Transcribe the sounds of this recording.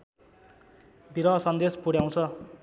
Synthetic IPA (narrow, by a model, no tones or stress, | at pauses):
biɾʌsʌnd̪espuɽjaw̃t͡sʰʌ